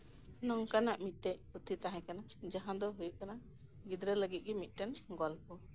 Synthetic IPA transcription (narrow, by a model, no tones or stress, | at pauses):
nɔŋkanaʔmit̪̚t̪ɛcput̪ʰit̪aɦɛ̃kana | d͡ʒaɦãd̪ɔɦujuʔkana | ɡid̪ɾələɡit̪̚ɡɛmit̪̚ˀʈɛnɡɔlpɔ